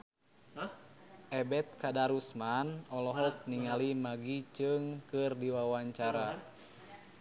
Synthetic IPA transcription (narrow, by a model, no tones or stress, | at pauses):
ʔɛbɛt̪̚kadaɾusmanɔlɔɦɔk̚niŋalimaɡit͡ʃɨŋkɨrdiwawaɲt͡ʃaɾa